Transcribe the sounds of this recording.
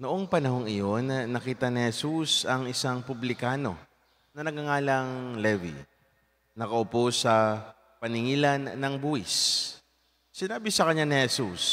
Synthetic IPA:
nʊʔo̞ŋpɐnɐho̞ŋɪjo̞nnːɐkiːt̪ɐnɪhɛsusɐŋʔɪsaŋpʊblɪkaːno̞̰ | nɐnɐɡɐŋaːlɐŋlɛvḭ | nɐkɐʔʊposɐ | pɐnɪŋiːlɐnːɐŋbuːhɪs | ɪnaːbɪsɐkɐɲːanɪhɛsus

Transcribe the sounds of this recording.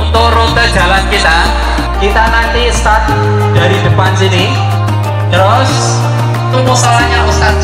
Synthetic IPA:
t̪oɾʊt̪ə̥d͡ʒa̤lankit̪a | kit̪anant̪ist̪at̪̚ | d̥a̤ɾidə̤pansini | nɾɔs | t̪umusalaɲasa

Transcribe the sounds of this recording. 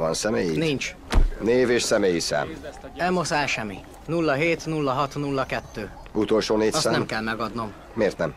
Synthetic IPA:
vɒnsɛmeːjinint͡ʃneːveːʃsɛmeːjisa̰ːmɛlmosaːlʃɛmːi | nulːɒɦeːt̪nulːɒɦɒt̪nulːɒkɛt̪ːøː | ut̪o̞lʃoːneːɒsɛnɛmkɛlmɛɡɒd̪no̞mːeːrt̪nɛm

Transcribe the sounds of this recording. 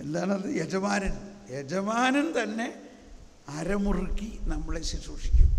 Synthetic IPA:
e̞nd̪aːɳɐðɨjed͡ʒɐmaːnɐnjed͡ʑɐmaːnɐnt̪ɐnːe̞ | ɐɾɐmurukʲːinɐmːuɭesit͡ɕuːʂi̥kʲːa̰m

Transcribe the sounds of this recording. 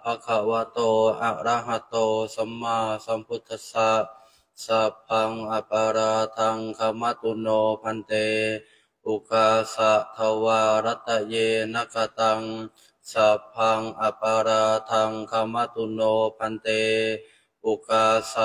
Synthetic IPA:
pakʰawat̪oaʔɾaɦat̪osəmːasamput̪ʰəsaʔ | sap̚ʰaŋapaɾat̪aŋkamat̪unɔpant̪e | ukasaʔt̪ʰawaɾat̪aʔjenakat̪aŋ | sap̚aŋapaɾat̪aŋkamat̪unɔpant̪e | ukasa

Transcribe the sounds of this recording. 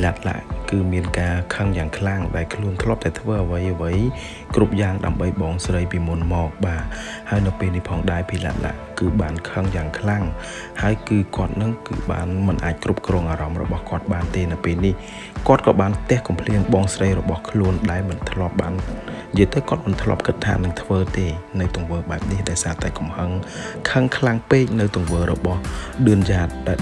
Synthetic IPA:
pʰlat̪̚la̰ʔkɨːmiənkaːkʰəŋjaːŋkʰlaŋɗaɛlkʰluənt̪ʰlŏəp̚t̪aɛt̪ʰʋəːʔəʋəjʔəʋəj | krup̚jaːŋɗa̰əmɓəjɓɑːŋsrəjpiːmunmɔːk̚ɓaː | haəjnɨwpeːlnihpʰɑːŋɗaɛpʰiːla̰ːt̪̚la̰ʔkɨːɓaːnkʰəŋjaːŋkʰlaŋ | haəjkɨːkŏət̪̚nɨŋkɨ̰ːɓa̰ːnmɨnʔaːc̚krup̚krɔːŋʔaːɾɑmrɔ̰ɓɑhkŏət̪̚ɓaːnt̪eːnɨwpeːlnih | kŏət̪̚kɑːɓaːnt̪ɛ̆əhkɑmpʰliənɓɑːŋsrəjrɔɓɑhkʰluənɗaɛlmɨnt̪ʰlŏəp̚ɓaːn | jəjt̪əwkŏət̪̚mɨnt̪ʰlŏ̰əp̚kɨt̪ʰːa̰ːnɨŋt̪ʰʋəːt̪eːnɨwt̪ʊ̆əŋʋəːɓaɛp̚nihɗaɔjsaːt̪aɛkumhəŋkʰəŋkʰlaŋpeːc̚nɨwt̪ʊ̆əŋʋəːɾɔɓɑhɗɨənjaːt̪̚ɗaɛ

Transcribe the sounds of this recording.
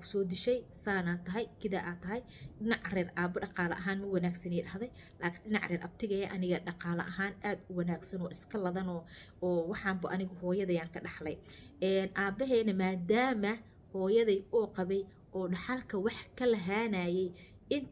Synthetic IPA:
kʰʊ̥sɔːd̪ɪʃɛjsaːnat̪ʰːɐɦɐjkʰɪðaːʔaːt̪ʰːɐɦɛj | ɗɪnɑʕrɛːrʔaːbɐɖɑqɑːlɐ̰ʔɐɦaːnmɐwɑnaːɡsɐnɛːd̪hɐðɛj | laːkʰnɗɪnɑʕrɛːɾʔɐb̚t̪ʰɪɣɐjɐʔɐnɪɣɐɖɑqɑːlɐʔɐɦaːnaːd̪ʊwɑnaːɡsɐnɔːʔɪskʰɐlɐðɐnɔː | wɑħɑːmbɐʔɐnɪɣʊhɔːjɐðɐjaːŋkʰɐɖɑħlɛjɛnʔaːbɐɦɛːnɐmaːd̪aːmɐ | hɔːjɐðiːɔːqɑβɛj | ʔɔːɖɑħɑlkʰɐwɑħkʰɐlɐɦaːnaːjɛj | ɪn

